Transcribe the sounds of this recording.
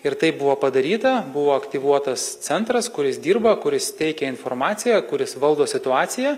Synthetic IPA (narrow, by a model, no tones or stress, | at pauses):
ɪɾt̪ɐɪp̚bʊʋoːpɐd̪ɐɾʲiːt̪ɐbʊʋoːɐkt̪ʲiʋuɔt̪ɐst̪sʲɛnt̪ɾɐskʊɾʲɪsd̪ʲiːɾbɐkʊɾʲɪst̪ʲɛɪkʲɛɪnfoːrɾmɑːtsʲɪjɛkʊɾʲɪsʋɐlˠd̪oːsʲɪt̪ʊɑːt̪sʲɪjæ